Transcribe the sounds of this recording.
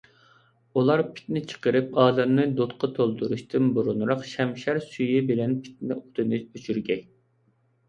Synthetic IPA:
ulˠɑɾpʰɪ̥t̪nɪt͡ʃʰə̥qəɾɨpɑːd̪ɛmnɨd̪ot̪qʰɑt̪ʰolˠd̪uɾuʃt̪ʰɨnbuɾunɾɑqʃɛmʃæɾsyjibɪlɛnpʰɪ̥t̪nɪʔut̪ʰɨnɨøt͡ʃʰyɾɡʲɛkʲ

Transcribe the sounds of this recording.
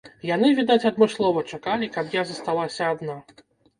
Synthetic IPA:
janɨvʲid̪at͡sʲad̪mɨslˠɔvɐt͡ʂakalʲikapjazɐst̪alˠasʲɐːd̪na

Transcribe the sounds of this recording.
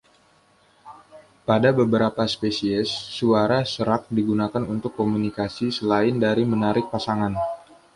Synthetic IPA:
padabəbəɾapaspesiɛsːuaɾasəɾak̚diɡunakanunt̪ʊkːomunikasisəlaɪndaɾimənaɾɪk̚pasaŋan

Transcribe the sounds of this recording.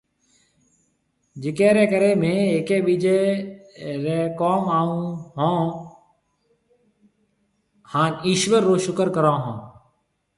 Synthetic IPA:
d͡ʒɪkɛːɾɛːkəɾeːmẽːeːkeːɓiːd͡ʒeː | ɾeːkoːmaːũːɦãː | haːniːʃʋəɾːoːʃʊkəɾkəɾãːɦõː

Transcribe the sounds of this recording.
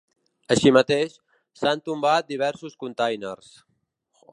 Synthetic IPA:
əʃimət̪eʃ | sant̪umbat̪̚d̪iβɛɾsuskunt̪ajnḛrs

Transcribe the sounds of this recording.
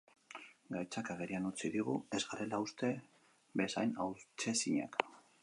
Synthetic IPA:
ɡajt͡sakaɣeɾianut͡siðiɣ̞ue̞zɣaɾe̞laust̪e̞ | besa̰jnawt͡ʃe̞siɲa̰k

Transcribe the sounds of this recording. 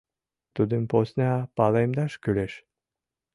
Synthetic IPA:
t̪ud̪ɨmposnʲɑpɑlˠejmd̪ɑʃkyleʃ

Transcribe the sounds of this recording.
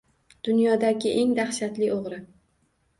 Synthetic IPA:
d̪̥ʊnjɒd̪aɡʲɪʔeŋd̪aχʃat̪lɪʔoʁɾɪ

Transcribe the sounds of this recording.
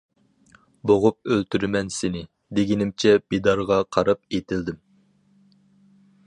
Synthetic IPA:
boʁʊp̚ølt̪ʰyɾmɛnsenɪ | d̪eɡʲinɪmt͡ʃʰɛb̥ed̪ɑɾʁɑqʰɑɾɑpet̪ʰɪld̪ɪm

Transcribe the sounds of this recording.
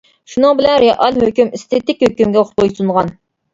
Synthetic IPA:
ʃunɨŋbɪlɛnɾeʔɑlhøkʲymist̪ʰet̪ɪkʲhøkʲymɡʲɛoχʰojsunʁɑn

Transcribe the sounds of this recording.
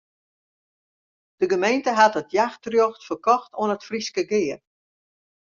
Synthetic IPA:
d̥əɡəmejntəɦatətjaxtrjoxtfərkɔxtʰoənətfriskəɡɪːər

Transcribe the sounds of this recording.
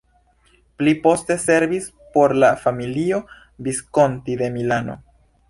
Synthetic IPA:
plipo̞ste̞se̞ɾvis | po̞ɾlafamilio̞ | bisko̞ntid̪e̞milano̞̰

